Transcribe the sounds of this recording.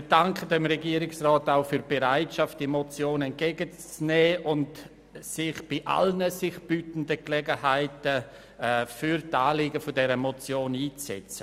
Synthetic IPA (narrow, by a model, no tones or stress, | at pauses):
mɪd̥aŋkʰədɛmɾɛɡiːəɾɪksrɔːtaʊfyːɾb̥eɾaɪtʃaft̚d̥imɔt͡sjoːnɛnt̚ɡ̥ɛːɡət͡snɛːʔʊnt | sɪχb̥iʔa̰lnəsɪχb̥yːtn̩dəklɛɡəhaɪtə | fyɾtaːliːɡəfodɛɾəmɔt͡sjoːniːt͡ssɛ̰t͡sə